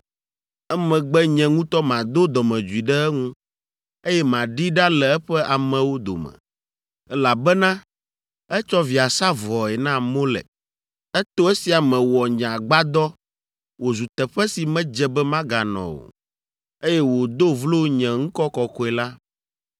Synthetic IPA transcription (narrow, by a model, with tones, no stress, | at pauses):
ɛ˦mɛ̃˨ɡ͡bɛ˦ɲɛ̃˨ŋũ˦t̪ɔ˦mã˨d̪o˦d̪ɔ˨mɛ̃˨d͡ʒu˨i˨ɖɛ˦ɛ˦ŋũ˦ | e˦jɛ˦mã˨ɖi˦ɖa˦lɛ˨ɛ˦ɸɛ˦ʔa˨mɛ̃˨wo˦d̪o̰˨mɛ̰̃˨ | ɛ˦la˨bɛ˦nã˦ | ɛ˦t͡ʃɔ˦vi˨a˨sa˦vɔ˨ɛ˨nã˦mo˦lɛ̰˨ | ɛ˦t̪o˦ɛ˦si˨a˨mɛ̃˨wɔ˨ɲã˨ɡ͡ba˦d̪ɔ˦ | wo˨zu˨t̪ɛ˨ɸɛ˦si˨mɛ̃˦d͡ʒɛ˦bɛ˦mã˦ɡa˨nɔ̰̃˨wo̰˨ | e˦jɛ˦wo˨d̪o˦vlo˦ɲɛ̃˨ŋ̩̃˦kɔ˦kɔ˨kɔ˦ɛ˨la˦